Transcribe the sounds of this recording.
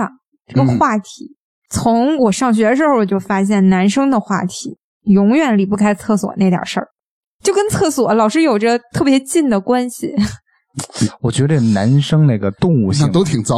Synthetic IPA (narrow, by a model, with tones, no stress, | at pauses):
ʈ͡ʂə˥˩ɡə˩xwa˥˩t̪ʰi˧˥˦ | t͡sʰʊ˧˥ŋwɔ˨˩ʂɑ˥˧ŋɕ̬ɥɛ˧˥d̪ə˧ʂɻ̩˧˥xo˥˩ʊwɔ˨˩t͡ɕjo˥˩ʊfa˥ɕ̬jɛ˥˩nna˧˥nʂɤ˥ŋd̪ə˨xwa̰˥˩t̪ʰi˨˧˥ | jʊ˧˥ŋɥɛ˨˩nli˨˩pu˥˩kʰa˥ɪt͡sʰɤ˥˩swɔ̰˨˩˦na˥˩t̪jə̰˨˩ʂə̰˞˥˩ | t͡ɕjo˥˩ʊkə˥nt͡sʰɤ˥˩swɔ˨˩˦lɑ˨˩ʊʂɻ̩˥jo˨˩ʊʈ͡ʂə˥˧t̪ʰɤ˥˩pjɛ˧˥t͡ɕi˥˩nd̪ə˩kwa˥nɕi˨˩ | wɔ˨˩t͡ɕɥɛ˧˥d̪ə˧ʈ͡ʂə˥˩ə˩na˧˥nʂɤ˥ŋna˥˩ɡə˧t̪ʊ˥˧ŋu˥˧ɕa˥˧˥ŋt̪o˥ʊt̪ʰi˨˩ŋt͡sɑ˥˧